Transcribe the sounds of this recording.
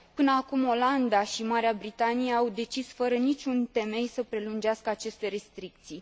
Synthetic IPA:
pɨnəakumo̞land̪aʃimaɾeabɾit̪anijeawd̪e̞t͡ʃisfəɾənit͡ʃʲunt̪e̞me̞jsəpɾe̞lund͡ʒeaskəat͡ʃe̞st̪e̞ɾe̞st̪ɾik̚t̪sij

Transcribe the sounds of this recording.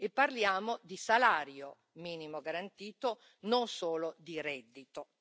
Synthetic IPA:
epːarljaːmod̪isalaːɾjo | miːnimoɡaɾant̪iːt̪o | nonsoːlod̪iɾɛd̪ːit̪o

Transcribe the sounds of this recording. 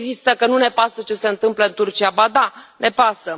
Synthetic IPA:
zist̪əkənune̞pasət͡ʃe̞se̞ɨnt̪ɨmpləɨnt̪urt͡ʃiabad̪ane̞pasə

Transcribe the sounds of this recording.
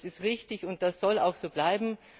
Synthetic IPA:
sɪstʁɪçtɪçʊnt̚d̥asz̥ɔla̰ʊxz̥oːb̥laɪbm̩

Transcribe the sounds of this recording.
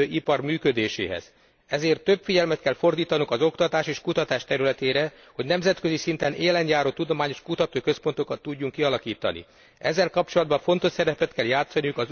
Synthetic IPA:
øːʔipɒrmyːkød̪eːʃḛːɦɛ̰z̥ | ɛzeːrt̪ːøbfiɟɛlmɛt̪kɛlfo̞rd̪iːt̪ɒnuŋkɒzo̞kt̪ɒt̪aːʃeːʃkut̪ɒt̪aːʃt̪ɛɾylɛt̪eːɾɛ | ho̞ɟnɛmzɛt̪kø̞zisint̪ɛneːlɛnjaːɾoːt̪ud̪o̞maːɲo̞ʃkut̪ɒt̪oːkø̞spo̞nt̪o̞kɒt̪ːuɟːuŋkːiɒlɒkiːt̪ɒ̰nḭ | ɛ̰zːɛlkɒp̚t͡ʃo̞lɒd̪bɒɱfo̞nt̪o̞ʃsɛɾɛpɛt̪kɛljaːt̪sɒnijukɒz

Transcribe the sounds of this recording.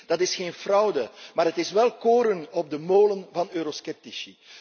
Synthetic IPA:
d̥ɑtɪsxeːnfrɑwdəmaːɾɦətɪsʋɛlˠkoːɾənɔb̚dəmoːlənvɑnøːɾoskɛp̚tiʃi

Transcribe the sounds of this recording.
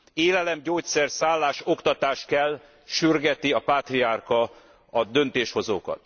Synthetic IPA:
eːlɛlɛmɟoːc̪̚sɛrsaːlːaːʃo̞kt̪ɒt̪aːʃkɛlː | ʃyrɡɛt̪iɒpaːt̪riarkɒ | ɒd̪ø̞nt̪eːʃho̞zoːkɒ̰t̪

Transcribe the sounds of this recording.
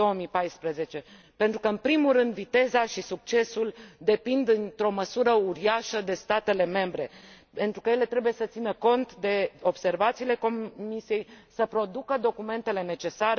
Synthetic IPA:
owomijpajspɾəze̞t͡ʃe̞ | pe̞nt̪ɾukəɨnpɾimulɾɨnd̪vit̪e̞zaʃisuk̚t͡ʃe̞suld̪e̞pind̪ɨnt̪ɾo̞məsuɾəuɾiaʃəd̪e̞st̪at̪e̞le̞me̞mbɾe̞ | pe̞nt̪ɾukəje̞le̞t̪ɾe̞buje̞sət̪sinəko̞nt̪d̪e̞o̞b̥se̞rvat̪siːle̞ko̞misije̞jsəpɾo̞d̪ukəd̪o̞kume̞nt̪e̞le̞ne̞t͡ʃe̞saɾ

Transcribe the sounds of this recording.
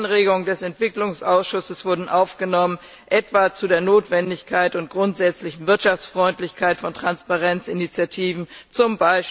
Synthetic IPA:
nʁeːɡʊŋəndɛsɛntv̥ɪklʊŋsʔaʊsʃʊsəsv̥ʊɐdn̩ʔaʊfɡ̥ənɔmən | ʔɛtv̥at͡sudeːɐnoːtv̥ɛndɪçkʰaɪtʊnt̚ɡ̥ʁʊntz̥ɛt͡slɪçn̩vɪɐtʃaft͡sfʁ̥ɔʏntlɪçkʰaɪtfɔntʁ̥anspaʁɛnt͡sɪnit͡sjatʰiːvn̩t͡sʊmbaɪʃ

